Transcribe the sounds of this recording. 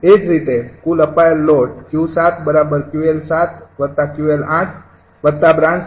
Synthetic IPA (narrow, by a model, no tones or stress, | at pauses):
ed͡ʒɾit̪ekuləpaelːoʈkjusat̪ʰbəɾabəɾkjuelsat̪̚ʰʋət̪akjuelãʈʰ | ʋət̪abɾãns